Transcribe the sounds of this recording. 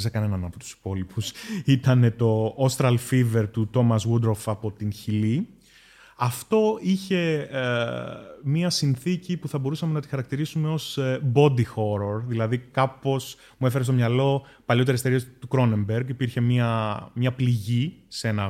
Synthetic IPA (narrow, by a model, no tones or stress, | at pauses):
zekɐne̞nɐnɐpo̞t̪u̥si̥po̞lipusit̪ɐne̞t̪o̞ost̪ɾɐlfive̞ɾt̪ut̪o̞mɐzwud̪ɾofɐpo̞t̪inçili | ɐft̪o̞içe̞ | miɐsinθicipuθɐbo̞ɾusɐme̞nɐt̪ixɐɾɐk̚t̪iɾisume̞o̞sbo̞d̪ixo̞ɾo̞ɾðilɐðikɐpo̞s | muefeɾest̪o̞mɲɐlo̞ | pɐloeɾeseɾiɐst̪ukɾo̞ne̞mbeɾɡipiɾçe̞miɐmɲɐpliʝiseenɐ